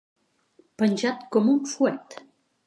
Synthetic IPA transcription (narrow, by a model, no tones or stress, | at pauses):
pənʲʒat̪kɔmunfuɛt̪